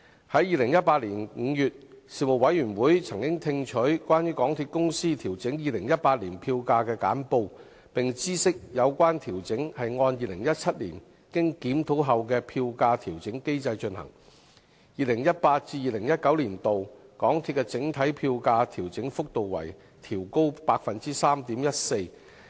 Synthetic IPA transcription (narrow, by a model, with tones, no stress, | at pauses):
hɐ˨˥jiː˨˧lɪ˨˩ŋjɐ˥t̚paː˧t̚liː˨˩nŋ̩˨˧jyː˨t̚siː˨˩mo˨˩w̚ɐ˨˥jɥyː˨˩nwuː˨˥jt͡sʰɐ˨˩ŋkɪ˥ŋt̪ʰɪ˧ŋt͡ʃʰɵ˨˥ɥkʷaː˥njyː˥kɔː˨˥ŋt̪ʰiː˧t̚kʊ˥ŋsiː˥t̪ʰiː˨˩wt͡sɪ˨˥ŋjiː˨˧lɪ˨˩ŋjɐ˥t̚paː˧t̚liː˨˩npʰiː˧wkaː˧kɛː˧ka̰ː˨˥npo˧w | pɪ˨ŋt͡siː˥sɪ˥k̚jɐ˨˧wkʷaː˥nt̪ʰiː˨˩wt͡sɪ˨˥ŋhɐ˨jŋɔː˧njiː˨˧lɪ˨˩ŋjɐ˥t̚t͡sʰɐ˥t̚liː˨˩n | kɪ˥ŋkiː˨˥mt̪ʰo˨˥wɦɐ˨wk̬ɛː˧pʰiː˧wkaː˧t̪ʰiː˨˩wt͡sɪ˨˥ŋke˥jt͡sɐ˧jt͡ʃɵ˧nhɐ̰˨˩ŋ | jiː˨lɪ˨˩ŋjɐ˥t̚paː˧t̚t͡siː˧jiː˨˩lɪ˨˩ŋjɐ˥t̚kɐ˨˥wliː˨˩nt̪o˨wkɔː˨˥ŋt̪ʰi˧t̚kɛ˧t͡sɪ˨˥ŋt̪ʰɐ˨˥jpʰiː˧wkaː˧t̪ʰiː˨˩wt͡sɪ˨˥ŋfʊ˥k̚t̪o˨wwɐ̰˨˩j | t̪ʰiː˨˩wko˥wpaː˧k̚fɐ˨nt͡siː˥saː˥mt̪iː˨˥mjɐ˥t̚se˧j